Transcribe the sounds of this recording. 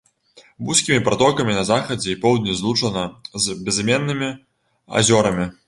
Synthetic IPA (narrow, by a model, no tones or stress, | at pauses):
busʲkʲimʲipɾat̪ɔkɐmʲinɐzaxɐd͡zʲɛipɔwd̪ʲnʲɐzlˠut͡ʂɐnɐzbʲɛzmʲɛnːɨmʲi | a̰zʲɔɾɐmʲi